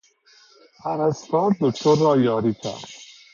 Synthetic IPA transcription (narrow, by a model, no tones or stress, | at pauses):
hænæst̪ɑːɾ̚d̪okt̪ʰoɾːɒːjɒːɾiːkʲʰæ̰ɾd̪